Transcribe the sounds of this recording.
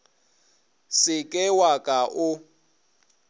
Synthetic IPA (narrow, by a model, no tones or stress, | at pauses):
sɪkʼɛwakʼaʔʊ